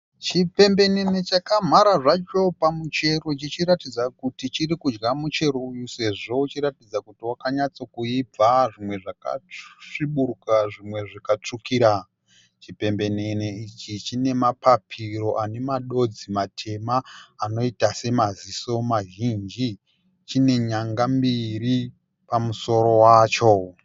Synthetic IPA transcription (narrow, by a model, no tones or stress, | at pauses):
t͡ʃipe̞mbe̞ne̞ne̞t͡ʃakam̤aɾaʐat͡ʃo̞pamut͡ʃe̞ro̞t͡ʃit͡ʃiɾatid͡zakutit͡ʃirikud͡ʒɡamut͡ʃe̞ɾoujuse̞ʐo̞ut͡ʃiɾatid͡zakutiwakaɲat͡so̞kuib͡vaʐimwe̞ʐaka̰ʂiɓurukaʐimwe̞ʐikat͡ʂukiɾa | t͡ʃipe̞mbe̞ne̞neit͡ʃit͡ʃine̞mapapʰiro̞ʔane̞maɗo̞d͡zimatʰe̞maːno̞itase̞maziso̞maʒind͡ʒi | t͡ʃine̞ɲaŋɡambiɾi | pamuso̞ɾo̞waːt͡ʃo̞